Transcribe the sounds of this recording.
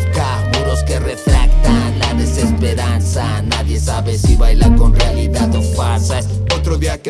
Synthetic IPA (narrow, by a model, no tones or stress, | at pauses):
ka | kuɾoske̞refɾakt̪anlaðe̞se̞spe̞ɾansa | naðje̞saβesiβajlako̞nrealiðaðofaɾsa | ot̪ɾoðia